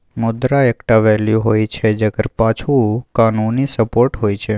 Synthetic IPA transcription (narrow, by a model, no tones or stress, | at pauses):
mʊd̪ɾaekʈaʋɛljuɦojt͡ʃʰed͡ʒəɡəɾpat͡ʃʰukanunisəpoɾʈɦojt͡ʃʰe